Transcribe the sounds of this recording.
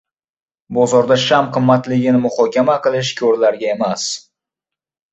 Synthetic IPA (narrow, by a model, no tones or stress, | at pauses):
bɒzɒɾd̪aʃamqʰɨmːat̪lɪɡʲɪnɪmʊχɒkʲamaqʰɨlˠɪʃkʲʰɒɾlaɾɡʲaemas